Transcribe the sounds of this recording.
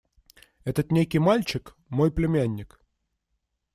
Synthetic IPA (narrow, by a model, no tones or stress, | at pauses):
ɛt̪ət̪nʲekʲɪjmalʲt͡ɕɪk | mojplʲɪmʲænʲːɪk